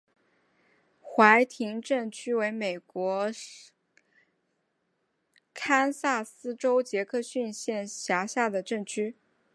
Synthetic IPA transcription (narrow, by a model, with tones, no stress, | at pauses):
xwa˧˥ɪt̪ʰi˧˥ŋʈ͡ʂɤ˥˩ŋt͡ɕʰy˥we˧˥ɪme˨˩ɪkwɔ˧˥ | kʰa˥nsa˥˩sɹ̩˥ʈ͡ʂo˥ʊt͡ɕjɛ˧˥kʰɤ˥˧ɕy˥˧nɕjɛ˥˩nɕja˧˥ɕja˥˩d̪ə˩ʈ͡ʂɤ˥˩ŋt͡ɕʰy˥